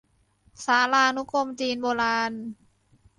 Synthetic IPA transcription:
saː˩˦laː˧ʔnu˦˥kʰo˧mt͡ɕiː˧nboː˧laː˧n

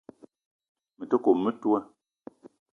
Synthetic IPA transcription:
mə˨to˦ko˨mːə˦tu˦ɛ˦

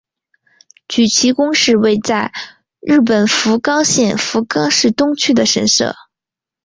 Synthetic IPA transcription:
t͡ɕy˨˩t͡ɕʰi˧˥kʊ˥ŋʂɻ̩˥˧we˥˧ɪt͡sa˥˧ɪ | ɻɻ̩˥˩p̬ə˨˩nfu˧˥kɑ˥ŋɕjɛ˥˩nfu˧˥kɑ˥ŋʂɻ̩˥˩t̪ʊ˥ŋt͡ɕʰy˥d̪ə˨ʂə˧˥nʂɤ̰˥˩

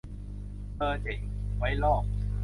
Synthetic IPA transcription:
ɤː˧t͡ɕe˨˩˦ŋwa˦˥jlɔː˥˩k̚

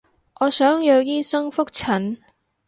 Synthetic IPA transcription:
ŋʔɔː˨˧sœː˨˥ŋjɵ˨˧wjiː˥sɐ˥ŋfʊ˥k̚t͡sʰɐ˨˩n

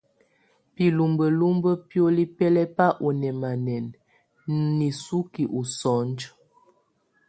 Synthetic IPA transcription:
pi˨lu˨mbə˨lu˦mbə˦pjo˦li˦pɛ˦lɛ˦pa˦ʔu˨nɛ˨ma˨nɛ˨n | ni˨su˦ki˨ʔu˨sɔ˨˦nd͡ʒ

